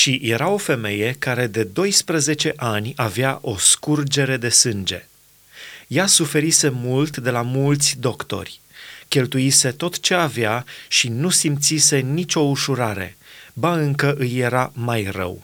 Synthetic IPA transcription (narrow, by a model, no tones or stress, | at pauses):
ʃije̞ɾao̞fe̞me̞je̞kaɾe̞d̪e̞d̪o̞jspɾəze̞t͡ʃe̞ʔanʲaveaʔo̞skurd͡ʒe̞ɾe̞d̪e̞sɨnd͡ʒe̞ | jasufe̞ɾise̞mult̪d̪e̞lamult̪sʲd̪o̞kt̪o̞̰rʲ | kʲe̞lt̪uise̞t̪o̞t̪t͡ʃe̞aveaʃinusimt̪sise̞nit͡ʃʲo̞uʃuɾaɾe̞̰baɨŋkəʔɨjːe̞ɾamajrə̰w